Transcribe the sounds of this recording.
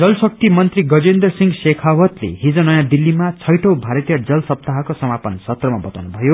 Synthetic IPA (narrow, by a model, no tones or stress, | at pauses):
d͡zʌlsʌk̚t̪imʌnt̪riɡʌd͡zend̪rʌsiŋɡsekʰawʌt̪lḛɦid͡zʌnʌjãd̪ilːimat͡sʰʌjʈʌwbʱaɾʌt̪ijʌd͡zʌlsʌp̚t̪aɦakosʌmapʌnsʌt̪rʌmabʌt̪awnubʱʌjo